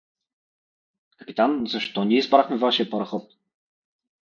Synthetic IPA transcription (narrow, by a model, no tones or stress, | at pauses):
kkɐpit̪anzɐʃt̪ɔnʲiɛzbɾaxmɛvaʃijəpɐɾɐxɔt̪̚